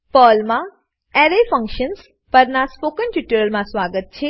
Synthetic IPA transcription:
pəlmã | ɛɾefə̃ŋkʃəns | pəɾnaspokənʈuʈəɾəlmãsʋaɡət̪̚t͡ʃʰe

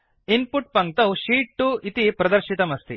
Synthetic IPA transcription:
inpuʈ̚pɐŋk̚t̪ɐuʃiːʈːuit̪ipɾɐd̪ɐɾʃit̪ɐmɐst̪i

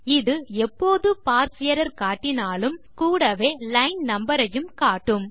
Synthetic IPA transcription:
ɪðɯɛpːoːðɯpaːɾsɪjɐɾɐɾkaːʈːɪnaːlɯmkuːɽɐʋeːlɐɪnnɐmbɐɾɐjɯmkaːʈːɯm

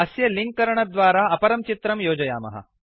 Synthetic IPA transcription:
ɐsjɐliŋk̚kɐɾɐɳɐd̪ʋaːɾaːɐpɐɾɐmt͡ʃit̪ɾɐmjoːd͡ʒɐja̰ːmɐ̰ɦɐ̰

